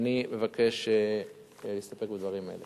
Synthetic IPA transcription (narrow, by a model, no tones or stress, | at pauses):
nime̞vake̞ʃe | list̪ape̞k̚bed̪vaʁimaele